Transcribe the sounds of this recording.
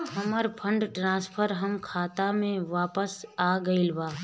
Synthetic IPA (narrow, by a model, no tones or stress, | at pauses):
ɦɐməɾpʰə̃ɳɖʈɾãːspʰəɾɦɐmkʰaːt̪amẽʋaːpəsaːɡɐilbaː